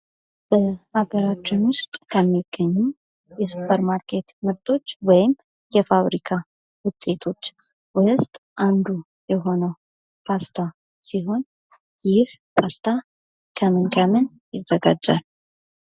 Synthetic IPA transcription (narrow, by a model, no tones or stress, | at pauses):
b̥əhaɡəɾat͡ʃːɪnwʊst̪ʼkʰəmːiɡ̥ːəɲːu | jɛsupʰːəɾmaɾkʰe̞t̪mɨɾt̪ʼo̞t͡ʃːwɔjɪm | jɛfaβɾikʰa | wʊt̪ʼːe̞t̪ʰo̞t͡ʃː | wʊst̪ʼʔand̪u | jɛɦo̞nəw | pʰast̪ʰa | siɦo̞n | jɪhfʰast̪ʰa | kʰəmɨnkʰəmɨn | jɪzːəɡa̰d͡ʒːa̰l